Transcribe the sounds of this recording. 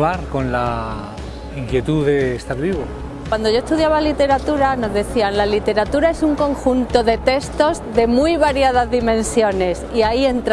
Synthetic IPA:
aɾko̞nla | iŋkje̞t̪uðe̞ːst̪aɾβiβo | wand̪oʝo̞est̪uðjaβalit̪e̞ɾat̪uɾano̞zðe̞θianlalit̪e̞ɾat̪uɾae̞suŋkõ̞ŋxunt̪o̞ðe̞t̪e̞st̪o̞zðe̞mujβaɾjaðazðimẽ̞nsjo̞ne̞siaie̞nt̪ɾ

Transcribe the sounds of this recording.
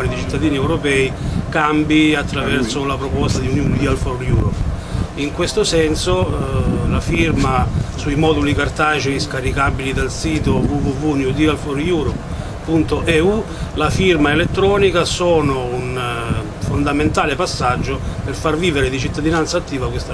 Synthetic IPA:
nid̪it͡ʃit̪ːad̪iːniɛwɾopɛːikambiat̪ːɾavɛrsolapɾopɔst̪ad̪iunjund̪ialfɔrjuːɾɔp | iŋkwest̪osɛnso | lafirmasuimɔːd̪ulikart̪at͡ʃeiskaɾikabilid̪alsiːt̪ovuvuvunud̪ialfɔrjuɾɔp | pːunt̪oʔɛu | lafirmaelet̪ːɾɔːnikasɔːnoun | fond̪ament̪aːlepasːad͡ʒːoperfarviːveɾed̪it͡ʃit̪ːad̪inant̪saːt̪ːiːvakwest̪a

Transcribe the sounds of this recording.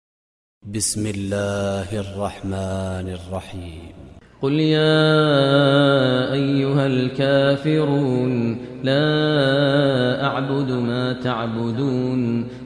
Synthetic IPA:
bɪsmɪlːaːhʔɑrˤːɑħmaːnɑrˤːɑħiːmqʊljaː | ʔajːʊɦalkaːfɪɾuːnlaː | ʔaʕbʊd̪maːt̪aʕbʊd̪uːn

